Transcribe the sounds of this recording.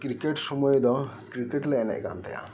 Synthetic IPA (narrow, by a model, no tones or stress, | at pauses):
kɾikeʈsɔmɔjed̪ɔ | kɾikeʈleɛnɛ̰ʔka̰nt̪ḛja̰